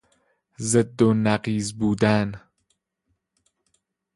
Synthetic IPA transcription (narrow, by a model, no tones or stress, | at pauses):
zed̪ːonæqiːzbuːd̪æn